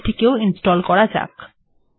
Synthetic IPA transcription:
ʈʰikeoinsʈɔlkɔɽad͡ʑa̰k

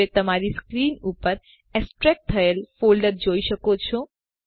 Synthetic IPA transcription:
et̪əmaɾiskɾinupəɾ | ɛksʈɾɛk̚ʈ̚t̪ʰːəelfolɖəɾd͡ʒoiʃəkot͡ʃʰo

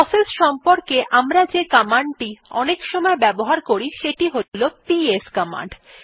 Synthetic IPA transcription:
ɔselsʃɔmpoɾkeʔamɾad͡ʑekamaɳɖʈiɔ̰nekʃɔmɔebɛboɦaɾkoɾiʃeʈiɦolopieskama̰ɳɖ

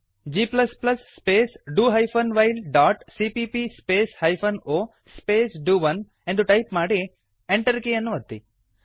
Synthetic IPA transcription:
d͡ʒiːplɐsplɐsːpeːsɖuːɦɐjpʰɐnʋɐjlɖaːʈsiːpipispeːshɐjpʰɐnoː | speːsɖuːʋɐn | ẽnd̪uʈɐjpmaːɽi | eɳʈɐɾkejɐnːuʋɐt̪ːḭ

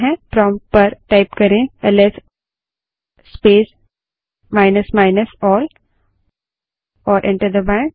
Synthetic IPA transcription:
ɦɛ̃fɾɔ̃ːmpɐɾʈaɪpkɐɾẽəlɛs | speːs | maːɪnəsmaɪnəsɔːl | ɔːɾʔɛ̰̃ɳʈəɾd̪əbãɪ̃ɳʈ

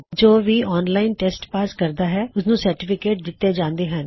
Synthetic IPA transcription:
d͡ʒoːʋiːʔɔːnlaːɪnʈɛːsʈpaːskəɾd̪aːɦɛːʊsnũːsəɾʈɪpʰɪkeːʈ̚d̪ɪt̪ːẽːd͡ʒãːnd̪eːɦən

